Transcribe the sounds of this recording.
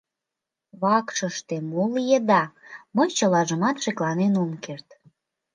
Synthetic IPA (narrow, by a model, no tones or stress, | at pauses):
βɑkʃəʃt̪emoljəd̪ɑməjt͡ɕəlɑʒəmɑt̪ʃeklɑnenomkert̪